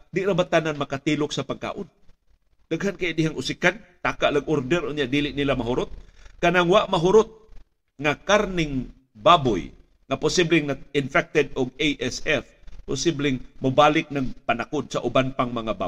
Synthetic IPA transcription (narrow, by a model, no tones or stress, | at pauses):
d̪ɪʔɾabat̪ananmakat̪ilʊksapaɡ̚ka̰ːʔʊn | d̥̪aɡɦankajaʔd̪ɪɦaŋʔʊsikant̪aːkaʔlaɡoɾd̪ɛɾʔʊnjaʔd̪iːlɪʔnilamaɦʊɾʊt̪̚kanaŋwaʔmaɦʊɾʊt̪̚ | ŋakaɾnɪŋ | babʊ̰j | ŋapʊsiblɪŋnaɪnfɛk̚t̪ɛd̪̚ʊɡ̚ejʔɛsɛfpʊsɪblɪŋmabaːlɪk̚naŋpanakʊd̪̚saʔʊbanpaŋmɐŋaba̰